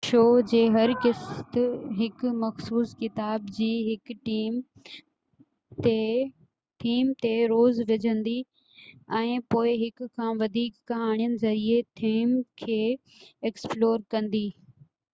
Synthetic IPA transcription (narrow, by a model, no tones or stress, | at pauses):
ʃoːd͡ʑeːɦɐɾkɪst̪ɦɪkmɐxsuːskɪt̪aːbd͡ʑiːɦɪkʈiːm | e | t̪ʰiːmt̪eɾoːzʋɪd͡ʑʱə̃nd̪i | ɛ̃ːpoːɪɦɪkkʰːãːʋɐd̪ʱiːkːɐɦaːɽ̃ijənɪ̆zɐɾiet̪ʰiːmkʰeː | eːksploːɾkɐ̃nd̪iː